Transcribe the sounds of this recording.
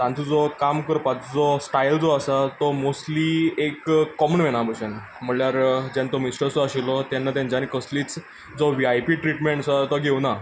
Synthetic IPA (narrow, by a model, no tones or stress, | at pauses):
t̪ãnt͡sud͡zɔkamkəɾpat͡sd͡zɔsʈajld͡zɔasat̪ɔmosʈliekkːɔmənʋeñabəɕan | m̤əɳljaɾd͡ʑɛnt̪ɔmisʈəɾsɔaɕilɔt̪janːat̪̬ãnd͡ʑanikəsliːt͡s | d͡zɔʋiajpiʈɾiʈmeɳʈsɔt̪ɔɡʱeuna